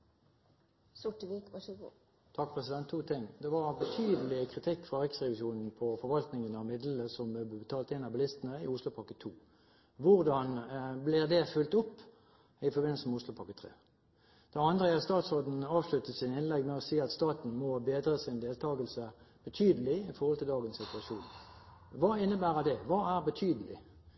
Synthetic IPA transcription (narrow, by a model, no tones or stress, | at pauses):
sʊʈəʋikʋɑɡ | t̪ʰɑk̚ːpʰʁɛsɪd̪ɛnt̪ʰːuːt̪ʰɪŋd̪ɛʋɑʁbət̪ʰyːd̪əlɪkʰʁɪt̪ʰɪkːfʁɑʁɛksʁɛʋɪʃuːnn̩pʰɔfɔʁʋɑlt̪nɪŋənɑʋmɪd̪ləəsɔmbəbət̪ʰɑːlt̪ɪnɑbəlɪst̪ənəɪʊslʊpʰɑkːət̪ʰuː | ʋʊʁd̪ɑnblɪʁd̪ɛfʉlt̪ʊpː | ɪfɔʁbɪnəlsəmɛʊslʊpʰɑkːət̪ʰʁḛː | d̪̥ɛɑnd̪ʁəɑtst̪ɑːt̪sɔːd̪n̩ɑːʋslʉt̪əsɪnɪnlɛɡmɛɔsiːɑt̪st̪ɑːt̪n̩mɔbeːd̪ʁəsɪnd̪eːlt̪ʰɑːɡəlsəb̥ət̪ʰyːd̪əlɪɪfɔʁhɔlt̪ʰɪld̪ɑːɡənsɪt̪ʉɑʂuːn | ʋɑːɪnːəbæːʁəd̪ɛʋɑːæʁbət̪ʰyːd̪əlɪ̰